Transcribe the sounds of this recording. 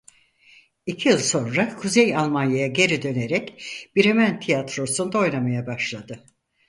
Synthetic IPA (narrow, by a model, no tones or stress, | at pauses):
icʰijɯlˠso̞nɾakʰuzejalˠmanjajaɟe̞ɾid̪ø̞ne̞ɾɛcb̥iɾe̞mænt̪ʰijat̪ɾo̞sund̪ao̞jnamajabaʃlˠad̪ɯ